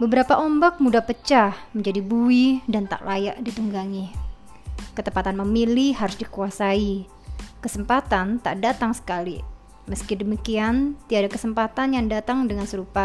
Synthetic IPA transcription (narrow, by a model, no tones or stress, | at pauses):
bəbəɾapaʔɔmbak̚mudahpət͡ʃahməɲd͡ʒadibuidant̪a̰ʔlaja̰ʔdit̪uŋɡaŋi | kət̪əmpat̪anməmilihɦaɾusdikuasai | kəsəmpat̪ant̪a̰ʔdat̪aŋsə̥kalḭ | məskidəmikiant̪iadakəsəmpat̪anjaŋdat̪aŋdəŋansəɾupa